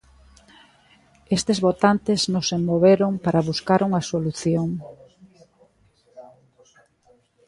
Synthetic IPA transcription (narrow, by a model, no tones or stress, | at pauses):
est̪ezβot̪ant̪eznosemoβeɾoŋpaɾaβuskaɾuŋɐsoluθjoŋ